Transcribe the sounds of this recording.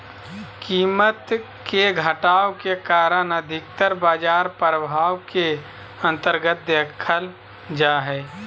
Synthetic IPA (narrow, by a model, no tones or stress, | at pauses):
kiːmət̪ | keɡʱəʈaːokekaːɾənəd̪ʱɪk̚t̪əɾbaːd͡ʒaːɾpɾəbʱaːwke | ə̃nt̪əɾɡət̪̚d̪eːkʰəl | d͡ʒaːɦɛː